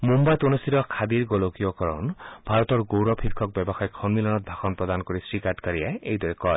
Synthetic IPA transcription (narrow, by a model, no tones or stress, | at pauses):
mumbat̪onesiɾɔkʰad̪iɾɡolokijɔkɔɾɔ̰nbʱaɾɔt̪ɔɾɡowɾɔpʰiɾkʰɔk̚bjɔbɔxajkʰɔnmilɔnɔt̪̚bʱaxʰɔnpɾɔd̪anɔkɔɾisɾikaɾʈkaɾiaeʔejd̪wɔɾekɔ